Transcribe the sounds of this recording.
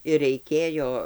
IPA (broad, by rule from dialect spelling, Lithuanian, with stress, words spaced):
ɪr rʲɛɪˈkʲeːjoː